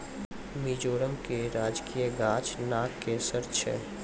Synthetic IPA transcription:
miːd͡ʒoːɾəmkeɾaːd͡ʒkʰijəɡaːt͡ʃnaːkːesəɾt͡ʃʰə̰

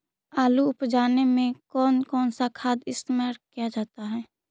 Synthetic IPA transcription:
aːluʊpd͡ʒaːnemẽkɔːnkɔːnsakʰaːd̪ɪst̪maːɾkijad͡ʒaːt̪aɦɛː

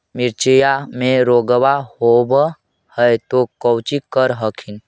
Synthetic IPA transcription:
mɪɾt͡ʃəjamẽɾoːɡwahob | həjt̪okəwt͡ʃikəɾɦəkʰin

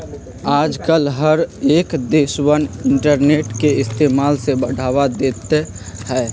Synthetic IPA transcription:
aːd͡ʒkəlɦəɾeːkd̪eːswənɪɳʈəɾneːʈkeɪst̪eːmaːlsebəɽ̤ʱaːʋad̪eːt̪e | hɛː

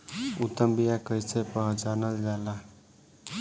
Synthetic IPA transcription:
ut̪əmbijakəjsʰepəɦd͡ʒanəld͡ʒala

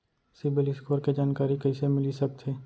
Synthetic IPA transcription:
sɪbelɪskoːɾked͡ʒaːnkaːɾikɐisemɪlisɐk̚t̪eː

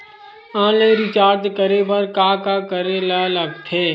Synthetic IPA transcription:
ãːlẽɾɪt͡ʃaːɾt̪kəɾebəɾkaːkakəɾelaləɡ̚t̪ʰeː

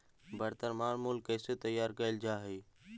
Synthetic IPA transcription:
bʱəɾt̪əɾmaːɾmʊlkeːset̪əjaːɾkəɪld͡ʒaːɦeː

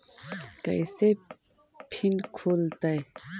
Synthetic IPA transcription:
kɐ̰jse | pʰinkʰoːlt̪ɐj

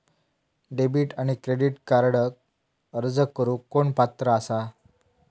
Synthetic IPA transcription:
ɖebiːʈaɽ̃ikɾeɽiʈkaɾɽək̚ | əɾd͡zəkːəɾuːkoɳpat̪ɾəːsa

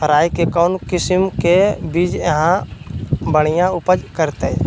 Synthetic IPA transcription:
pʰəɾaːikekɔːnkɪsmkebiːd͡ʒjəɦã | bəɽ̃ijãʊpəd͡ʒkəɾt̪e

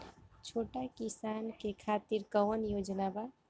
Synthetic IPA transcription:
t͡ʃʰoːʈakisankekʰat̪iɾkəʋnjoːd͡ʒnaba

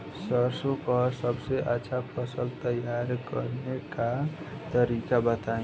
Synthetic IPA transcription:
səɾsopʌsəbseʔət͡ʃʰapʰəsəlt̪əjaɾkə̰ɾnekat̪əɾikabət̪aĩ

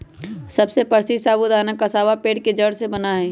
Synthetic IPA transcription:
sɐbsepəɾsisaːbud̪aːnəkːasaːʋapeːʈ̚ked͡ʒəɽsebɐnaɦɛː

